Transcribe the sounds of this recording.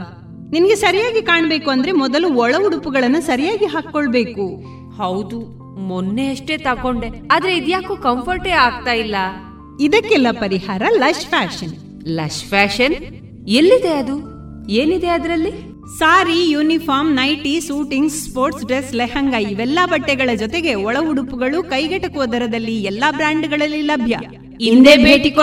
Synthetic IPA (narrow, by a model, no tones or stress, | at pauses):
ninɐɡe̞sɐɾijaːɡikaːɳbeːkuɐnd̪ɐɾe̞mɔd̪ɐluɔɭɐʋuɽupuɡɐɭɐnːusɐɾijaːɡiɦaːkːoɭbe̞ːku | hɐwd̪u | monːeɐʂʈe̞ːt̪ɐkoɳɖe̞aːd̪ɾe̞id̪jaːkuːkɐmpʰɐɾʈeːaːɡ̚t̪aːjilːɐ | id̪ɐkːɛlːɐpɐɾihaːɾɐlɐʃpʰaːʃɐn | lɐ̰ʃpʰaːʃɐn | elːid̪e̞ɐd̪u | eːnid̪eɐd̪ɾɐlːi | saːɾijuːnipʰaːɾmnɐjʈisuːʈiŋɡsspoːɾʈsɖɾesleɦɐŋɡɐiʋɛlːɐbɐʈːɛɡɐɭɐd͡ʒɔt̪eɡe̞ɔɭɐuɽupuɡɐɭukɐjɡɐʈɐkuʋɐd̪ɐɾɐd̪ɐlːiɛlːɐbɾaːɳɖɡɐɭɐlːilɐbʱjɐ̰ | iind̪eːbʱeːʈiko